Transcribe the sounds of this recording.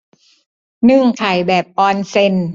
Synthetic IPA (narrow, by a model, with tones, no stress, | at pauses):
nɯ˥˩˨ŋkʰa˨˩jbɛː˨˩p̚ʔɔː˧nse˧n